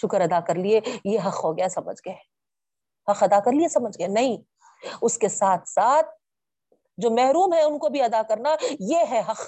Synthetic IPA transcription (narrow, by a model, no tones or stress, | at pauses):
ʃʊkəɾɐd̪akɐɾliejeɦɐxɦoɡɐjasɐmə̰d͡ʒʱɡɐe | hɐqɐd̪akɐɾliesɐməd͡ʒʱɡɐenɐɦĩ | ʊskesaːt̪ʰsaːt̪̚ | d͡ʒoːmɛɦɾuːmɦɛ̃ʊnkobʱiɐd̪akɐɾnajeɦɛɦɐq